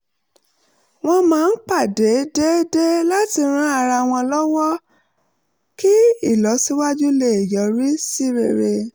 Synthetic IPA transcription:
w̃ɔ̃˧mãː˨˦˧n̩˦k͡pa˦˨de˨˦de˦de˦la˦ti˧ɾ̃ã˦a˧ɾa˧˨w̃ɔ̃˧lɔ˦wɔ˦ | ki˦i˦˨lɔ˨˦si˦wa˦d͡ʒu˦le˦˨jɔ˨˦ɾi˦si˦ɾe˨ɾe˧

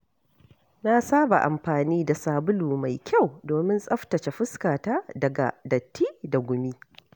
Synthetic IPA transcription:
na˦saː˦ba̰˨ʔa̰˨mɸaː˨niː˦da˨saː˨bʊ˦luː˨ma˨jkʲa˦˨wdoː˨mɪ˦nsʼɐ˦ɸtɐ˨t͡ʃe˨ɸɪ˦skaː˨taː˦dɐ˨ɡa̰˨dɐ˨tːiː˦da˨ɡʷʊ˨mi˦

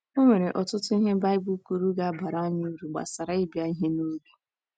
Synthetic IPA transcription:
o˦me˨ɾe˨ʔɔ˨tʊ˦tʊ˦i˦ɦe˦ba˦ɪ˦bu˦ku˦ɾu˦ɡa˦a˦ba˨ɾa˦a˦ɲɪ˦u˦ɾu˨ɡ͡ba̰˨sa˨ɾa˨i˦bja˦i˦ɦe˦no˦bu˨

